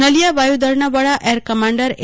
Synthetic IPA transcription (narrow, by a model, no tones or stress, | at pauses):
nəlijabajud̪əɾɳabəɭaʔeɾkəmaɳɖəɾe